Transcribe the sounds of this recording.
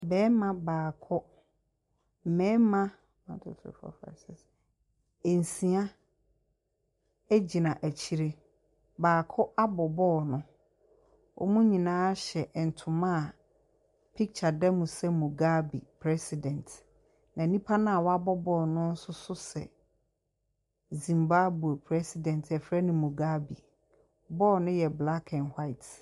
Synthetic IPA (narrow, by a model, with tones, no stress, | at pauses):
bɛː˨˦mã˦baː˨kʰɔ˦ | m̩˨mɛ̃ː˦mã˦ | ã˨n˦tʰʊ̰˨tʰɪ̰˨fɔ̰˨fa̰˨sɛ˨s | e˨n̩˨sĩ˨a˦ | e˦d͡ʑi˨nã˨ʔæ˨t͡ɕʰi˦ɾe˦ | baː˨kʰɔ˦ʔa˦bɔ˨bɔː˦˨nʊ̃˦ | wʔɔ̰˦mũ˦ɲĩ˨nãː˦ɕɛ˨n̩˨tʰʊ̃˨mã˦˨ | pʰi˦k̚t͡ɕʰa˨dɛ˦mũ˨sɛ˦mũ˨ɡa˦bi˨pʰɾɛ˦si˨dɛ̃˨nt | nã˨nĩ˦pʰa˦nʊ̃˦a˨wɔ˦a˦bɔ˦bɔː˦˨nʊ̃˦n̩˦sʊ˦sʊ˦sɛ̰˨ | zĩ˨mba˦bu˨o˨pʰɾɛ˦si˨dɛ̃˨n˨tʰɛ˨fɾɛ˦nɪ̃˨mũ˨ɡa˦bi˨ | bɔː˦˨nʊ̃˦jɛ˨bla˦kʰɛ̃˨nhwa˦ɪ˨t